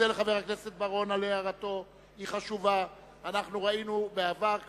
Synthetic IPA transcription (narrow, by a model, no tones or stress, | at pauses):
eleχave̞ʁakne̞se̞t̪̚baʁo̞naleaʁat̪o̞ | iχaʃuvaː | naχnuʁainubeavaʁ